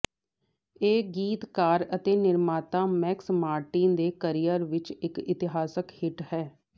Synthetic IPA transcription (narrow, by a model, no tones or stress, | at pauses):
eːɡiːt̪kaːɾət̪eːnɪɾmaːt̪ãːmɛːksmaːɾʈĩːnd̪eːkəɾijəɾʋɪt͡ʃɪkɪt̪ɪɦaːsəkhɪʈhɛː